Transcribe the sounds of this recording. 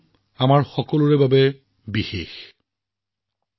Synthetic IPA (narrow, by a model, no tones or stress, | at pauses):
amaɹxɔkɔlʊɹɛbabɛ | bixex